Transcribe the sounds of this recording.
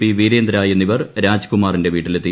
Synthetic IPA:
iʋiːɾeːnd̪ɾaːjenːiʋɐrɾaːd͡ʑkumaːrinde̞ʋiːʈːilet̪ːi

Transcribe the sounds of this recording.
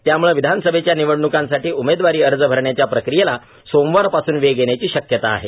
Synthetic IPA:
t̪jamuɭeʋid̪ʱanəsəbʱet͡ɕjaniʋəɽɳukãnsaʈiːumed̪ʋaɾiːəɾd͡zəbʱəɾɳjat͡ɕjapɾəkɾijela | somʋaɾpasuːnʋeɡeɳjat͡ɕiːɕəkjət̪a̰ːɦe

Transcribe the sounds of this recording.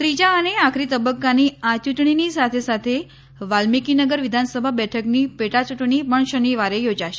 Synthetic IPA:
t̪ɾid͡ʑaːneakʰɾiːt̪əbəkːaniat͡ɕuʈɳiniːsat̪ʰesat̪ʰe | ʋalmikinəɡəɾʋid̪ʱansəbʱabɛʈʰəkniːpeʈat͡ɕuʈɳipəɳɕəniʋaɾejod͡zaɕe̥

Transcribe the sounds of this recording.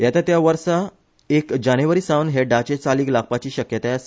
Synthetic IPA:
jat̪at̪jaʋəɾsa | ekd͡ʑañeʋəɾiːsãwnɦeɖat͡ɕet͡saliːklak̚pat͡ɕiːɕəkjət̪eas

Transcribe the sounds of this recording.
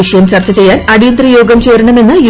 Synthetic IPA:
iɕɐjɐmt͡ɕɐrt͡ɕːɐt͡ɕe̞jːaːnɐɽijɐnd̪rɐjo̞ːɡɐmt͡ɕe̞ːɾɐɳɐme̞nːɨi

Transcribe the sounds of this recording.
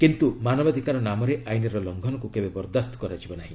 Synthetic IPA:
kint̪umanɔbad̪ʱikaɾɔnamɔɾeʔajnɔɾɔlɔŋɡʱɔnɔkukebebɔɾd̪ast̪ɔ̥kɔɾad͡ʒibɔnaɦĩ

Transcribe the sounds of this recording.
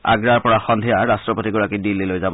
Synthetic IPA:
a̰ɡɹaɹpɔɹaxɔndʱijaɹastɹɔpotiɡɔɹakidilːilojzab

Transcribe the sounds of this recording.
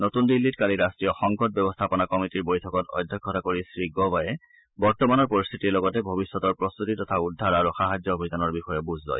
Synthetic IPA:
notundilːitkaliɹastɹijɔxɔŋkɔt̚bɛbɔst̪ʰapɔnakɔmitiɹbojtʰɔkɔtɔ̰jd̪ʱːɔkʰːɔtakoɹisɹiɡɔbajɛ | bɔɹtɔmanɔɹpoɹist̪ʰitiɹlɔɡɔtɛbʱobisːɔtɔɹpɹɔst̪utitɔtʰaudʱːaɹaɹuxaɦad͡ʒɔobʱidanɔɹbixɔjɛbuzʱzɔ̰j

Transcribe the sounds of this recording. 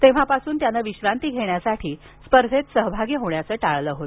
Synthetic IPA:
t̪eʋ̤apasuːnt̪janaʋiɕɾant̪iːɡʱeɳjasaʈʰiː | spəɾd̪ʱet̪səɦbʱaɡiːɦoɳjat͡səːʈaɭləɦot̪

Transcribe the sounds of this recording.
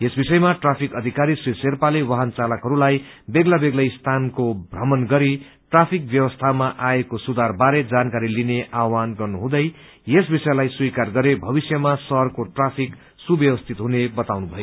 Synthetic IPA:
esbisʌjmaʈrapʰikʌd̪ʱikaɾiswiserpalewaɦant͡salʌkɦʌɾulajbeɡlabeɡlʌjst̪ʰankobʱrʌmʌnɡʌɾi | ʈrapʰik̚bjʌwʌst̪ʰamaʔaekosud̪ʱarbaɾed͡zankaɾilineawanɡʌrnuɦũd̪ʌj | jesbisʌjlajswijkarɡʌɾebʱʌbisjʌmasʌɦʌrkoʈrapʰik | subjʌwʌst̪ʰit̪ɦunebʌt̪awnubʱʌjo

